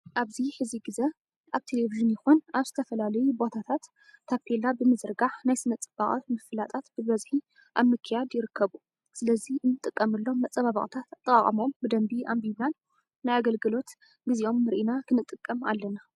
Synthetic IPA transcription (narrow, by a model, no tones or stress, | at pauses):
ʔaβziħɨziɡɨzɐ | ʔaβt̪ʰe̞leviʒɨnjɪxunʔaβz̥ɨt̪ʰɐfɐlalɐjubo̞t̪ʰat̪ʰat̪ʰː | apʰelabɨmɨzɨɾɡaħnajsɨnɐt͡sʼɨbaχʼɐmɨfɨlat̪ʼat̪b̥ɨβɐzħi | ʔa̰mːɨkʰɨjad̪jɪɾɨkʰːɐβu | sɨlɐziʔɨnːɨt̪ʼɨkʼːɐmɨlːo̞ːɐt͡sʼːɐβaβɐχʼt̪ʰat̪at̪ʼːɨkʼaχʼɐmo̞mbɨd̪ɐmbiʔambibanː | ajaɡɐlɡɨlo̞t̪ | ɡɨziʔo̞mːɨɾʔinakʰɨnɨt̪ʼːɨkʼːɐma̰lːɐna